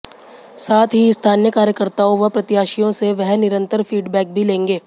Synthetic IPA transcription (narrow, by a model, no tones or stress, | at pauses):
saːt̪ʰɦist̪ʰaːnjəkaːɾjəkəɾt̪aːõʋɐpɾɐt̪jaːʃijõseʋɛɦnɪɾə̃nt̪əɾfiːɖbɛːk̚bʱilẽːŋɡeː